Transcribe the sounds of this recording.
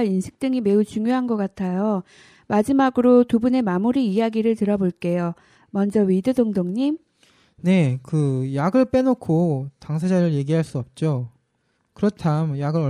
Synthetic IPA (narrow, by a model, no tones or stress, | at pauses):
insʰɯ̥k̚t͈ɯŋime̞ut͡ɕuŋjoɦanɡʌk͈atʰajo | mad͡ʑimaɡɯɾotubune̞mamuɾiːjaɡiɾɯɭtɯɾʌboɭk͈e̞jo | mʌnd͡ʑʌɥidɯdoŋdoŋɲim | ne̞kɯjaɡɯɭp͈e̞nokʰotaŋs̬ʰad͡ʑaɾɯɭje̞ɡiɦaɭs͈uʌp̚t͡ɕ͈o | kɯɾʌtʰamjaɡɯɾʌ